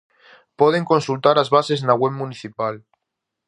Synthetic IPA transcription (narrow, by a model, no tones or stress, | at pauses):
poð̞e̞ŋko̞nsult̪aɾazβase̞znaɣweβmũniθipal